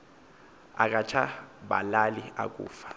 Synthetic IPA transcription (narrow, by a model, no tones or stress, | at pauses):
a̰k̬ʼat͡ʃʰaɓalalia̰k̬ʼṵːfḁ